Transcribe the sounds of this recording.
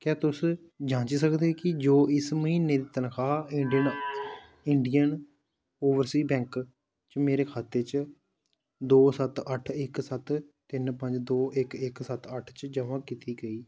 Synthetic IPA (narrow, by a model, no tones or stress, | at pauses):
kɛːt̪ʊs | d͡ʒãːt͡ʃiːsəkd̪eːkɪd͡ʒoːɪsməɦiːnːeːd̪iːt̪ənkʰaːɪɳɖiən | ɪɳɖijən | oːʋəɾsiːbɛ̃ːŋk | t͡ʃmeːɾeːkʰaːt̪eːt͡ʃ | d̪oːsət̪əʈʰɪksət̪t̪ɪnpə̃ɲd͡ʒd̪oːʔɪkɪksət̪əʈʰt͡ʃd͡ʒəʋãːkit̪iːɡəiː